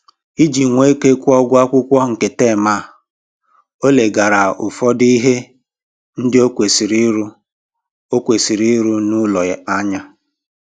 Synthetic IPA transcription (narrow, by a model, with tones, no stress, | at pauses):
i˦d͡ʒi˨ŋʷe˦ke˦kʷʊ˦ɔ˦ɡʷʊ˦a˦kʷʊ˦kʷɔ˦˨ŋ̩˨ke˨teː˦˨ma˦˨ | o˦le˨ɡa˨ɾa˨ʊ˨fɔ˦di˦ɦe˦ | n̩˦dɪ˦o˦kʷe˨si˨ɾi˦ɾu˦ | o˦kʷe˨si˨ɾi˦ɾu˦nʊ˦lɔ˨a˦ɲa˦